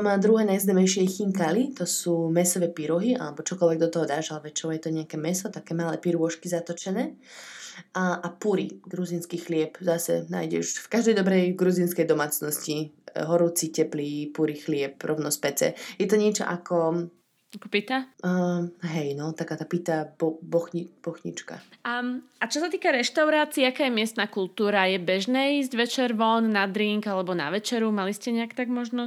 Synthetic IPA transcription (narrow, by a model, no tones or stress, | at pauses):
amaːd̪ɾuɦɛːnajzd̪amɛjʃɪɛxiŋkalit̪ɔsuːmɛsɔʋɛːpiɾɔɦia̰lɛbɔt͡ʃɔkɔlʋɛɡ̚d̪ɔt̪ɔɦɔd̪aːʒalʋɛt͡ʃɔʊjɛt̪ɔɲɛakɛːmɛsɔt̪akɛːmalɛːpiɾʊɔʃkizat̪ɔt͡ʃɛnɛː | ʔaʔapuɾḭɡɾuzinskixlɪɛpzasɛ̰na̰ːjɟɛ̰ʃfkaʒd̪ɛjd̪ɔbɾɛjɡɾuzinskɛjd̪ɔmaːt͡snɔsciɦɔɾut͡sicɛplipuɾixlɪɛpɾɔʊnɔspɛt͡sɛ̰jɛt̪ɔɲɪɛt͡ʃɔ̰ʔakɔ | akɔpit̪a | ɦɛjnɔt̪akaːt̪apit̪abɔbɔxib̥ɔxɲḭt͡ʃka̰ | at͡ʃɔsat̪iːkaɾɛʃt̪aʊɾaːt͡siːakaːjɛmɪɛst̪nakulˠt̪uːɾajɛbɛʒnɛːiːzɟʋɛt͡ʃɛɾʋɔnːad̪ɾiŋkalɛbɔna̰ʋɛt͡ʃɛɾumaliscɛɲɛakt̪aɡmɔʒnɔ